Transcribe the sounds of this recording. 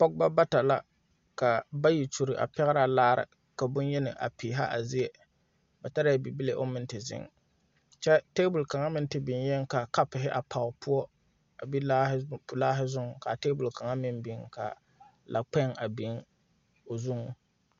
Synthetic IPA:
pɔ˦ɡ̚ba˦ba˦ta˨la˦ | ka˨ba˦ji˨t͡ʃu˨ɾɪ˨ʔa̰˨pɛ˦ɣɾa˦laː˦ɾɪ̰˨ | ka˨bʊ˦n˦jɛ˦nɪ˨ʔa̰˨pi˨ɦa̰˦ʔa˨zi˦ɛ˨ | ba˨ta˦ɾa˦a˦˨bi˨bi˦le˦ʔo̰˦mɪ˦n˦tɪ˨zɪ̰˦ŋ | t͡ʃɛ˦teː˦bʊ˨lka˨ŋa˦mɪ˦n˦tɪ˨bɪ˨n˦jɛ˦ŋ˦ka˨ka˦pɪ˨ɦɪ˦ʔa˨pʰa˨ʊ˨pʰʊ˦ɔ˦ | a˨bi˦la˦hlaː˦ɦɪ˦zʊ˦ŋ˨ka˨teː˦bʊ˨lka˨ŋa˦mɪ˦nbɪ˨ŋka̰˨ | la˨k͡pɛ˦ŋa˨bɪ˨˦ŋ | o˨zʊ˦ŋʊ˨

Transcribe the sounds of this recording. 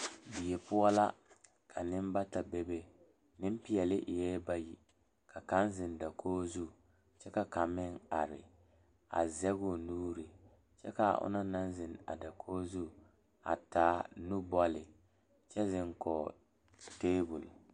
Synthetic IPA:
bi˨je˨pʊ˦a˦la˦ | kʰa˨nɪ˦m˦ba˦ta˨be˦be˦ | nɪ˦m˦pi˦ɛ˨lɪ˦ʔɪ˨jɛː˦ba˦ji˨ | ka˨ka˦nzɪ˨nda˨kʰoː˦zu˦˨ | t͡ʃɛ˦ka˨ka˨mɪ˦ŋa˨ɾɪ̰˨ | a̰˨zɛ˦ɣʊ˨nuː˦ɾɪ˨ | t͡ʃɛ˦ka˨ʔʊ̰˦na˦na˦n˦zɪ˨na̰˨da˨kʰoː˦zu˦˨ | a̰˨taː˦nu˦bɔ˦lɪ˨ | t͡ʃɛ˦zɪ˦ŋkɔ˨ | teː˦bu˨l

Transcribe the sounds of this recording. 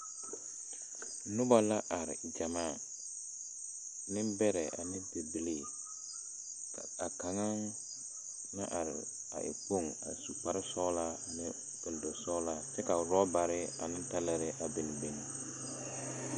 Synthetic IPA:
nʊ˦ba˦la˦ʔa˨ɾɪ̰˨d͡ʒa˨maː˦˨ | nɪ˦bɛ˦ɾɛ˨ʔa̰˨nɪ̃˦te˨bi˦le˦˨ | a˨ka˨ŋa˦ŋ | na̰˦ʔa˨ɾɪ˨ | a̰˨ʔɪ̰˨k͡po˦˨ŋa̰˨su˨pa˦ɾɪ˦sɔ˦la˦˨mɛ˦ | kɛ˨ldo˨sɔ˦la˦t͡ʃɛ˦ka˨ɾɔ˦ba˨ɾɪ˦a̰˨nɪ̃˦n˦ta˦la˦ɾɛ˦ʔa˨be˨nɪ˨be˨n˨˦

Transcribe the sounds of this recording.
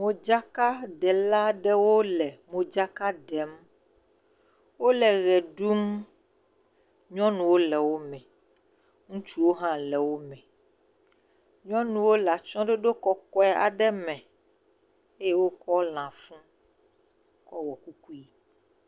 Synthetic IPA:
mõ˨d͡ʒa˦ka˦ɖɛ˨la˦ɖɛ˦wo˦lɛ˨mõ˨d͡ʒa˦ka˦ɖɛ˨m | wo˦lɛ˨ɣɛ˨ɖu˦m | ɲɔ̃˦nũ˨wo˦lɛ˨wo˦mɛ̃˨ | ŋũ˦t͡ʃu˦wo˦ɦã˦lɛ˨wo˦mɛ̃˨ | ɲɔ̃˦nũ˨wo˦la˨t͡ʃɔ̃˦ɖe˦ɖo˦kɔ˦kɔ˦ɛ˦ʔa̰˨ɖɛ˦mɛ̃˨ | e˦je˦wo˦kɔ˦l̃ã˨fũ˦ | kɔ˦wɔ˨ku˦ku˦i˦

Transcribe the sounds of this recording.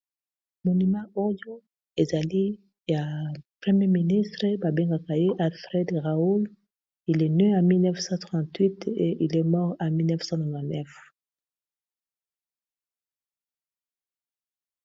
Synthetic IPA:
mo˨ny˨mɑ̃˦ɔ˦ʁjo˦ | e˨za˨li˦ | ja˨pχe˦mje˦mi˨ni˦st̪ʁə˦ba˨bɛ˦ŋɡa˨ka˨je˦ʔa˨lfʁɛ˦d̪ʁa˨o˦l | i˨lɛ˨ny˦a˨mi˦lnɛ˦fsɑ̃˦t̪χɑ̃t̪wi˦tḛ˨ʔi˨lɛ˦mɔ˦ʁa˨mi˦lnɛ˦fsɑ̃˦nɔ̃˨vã˨nɛ˦f

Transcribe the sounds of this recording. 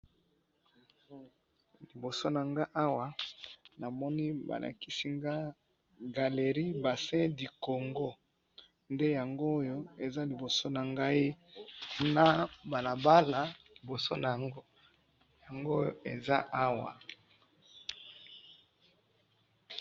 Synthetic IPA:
li˨bo˨so˦na˨ŋɡa˦ʔa˦wa˨na˨mɔ˦ni˦ba̰˨lʔa̰˨ki˦si˦ŋɡa˦ | ɡa˨le˨ʁi˦ba˨sɛ̃˦di˨ko˨ŋɡo˦ | nde˦ja˨ŋɡoː˦jo˦e˨za˦li˨bo˨so˦na˨ŋɡa˦i˦ | na˨ba˨la˨ba˦la˨li˨bo˨so˦na˨ja˨ŋɡo˦ | ja˨ŋɡo˦jo̰˦e˨za˦a˦wa̰˨

